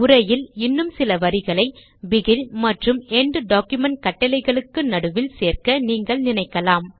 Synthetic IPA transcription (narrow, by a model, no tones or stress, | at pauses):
ʊɾɐjɪlɪnːɯmsɪlɐʋɐɾɪɣɐɭɐɪ | ʋɪɣɪlmɐʈrɯmɛɳɖɯɖaːkjɯmɐɳʈ̚kɐʈːɐlɐɪɣɐɭɯkːɯnɐɽɯʋɪlseːrkɐniːŋɡɐɭnɪnɐɪkːɐlaːm